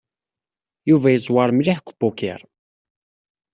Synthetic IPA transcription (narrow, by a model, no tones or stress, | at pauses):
juvæjəzˤwɑɾˤmliħkʷbʊkḭɾˤ